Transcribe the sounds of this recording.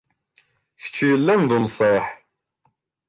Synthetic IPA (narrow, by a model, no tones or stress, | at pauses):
çə̥t͡ʃːjəlːænðnsˤeħ